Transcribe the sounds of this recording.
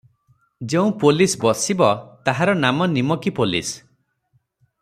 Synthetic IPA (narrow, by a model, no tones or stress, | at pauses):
d͡ʒeũpolisbɔsibɔt̪aɦaɾɔnamɔnimɔkipolḭs